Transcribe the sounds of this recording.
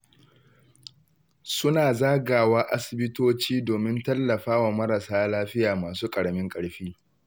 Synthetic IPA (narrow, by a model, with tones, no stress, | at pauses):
sʊ˦naː˨zaː˦ɡaː˨waː˦ʔa˦sɪ˨bɪ˦toː˦t͡ʃiː˦doː˨mɪ˦ntɐ˦lːɐ˨ɸaː˦wa˨mɐ˦ɾɐ˨saː˦laː˦ɸɪ˦jaː˨maː˨suː˦kʼɐ˨ɽɐ˨mɪ˦ŋkʼɐ˨ɽɸiː˦